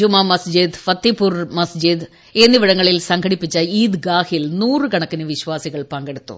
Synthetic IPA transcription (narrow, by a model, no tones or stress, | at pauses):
umɐmɐsd͡ʑid̪fɐt̪ːipːurmɐsd͡ʑid̪ | eːnːiʋɐɽɐŋːɐɭilsɐŋkʰɐɽipːit͡ɕːɐiːd̪ɡaːhilnuːrɨɡɐɳɐkːinɨʋiɕʋaːsiɣɐɭpɐŋɡeɽut̪ːṵ